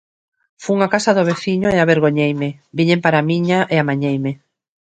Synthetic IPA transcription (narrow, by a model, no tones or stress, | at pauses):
fuŋakasaðoβ̞eθiɲoeaβeɾɣoɲejmɪbiɲempaɾamiɲaʔeamaɲejme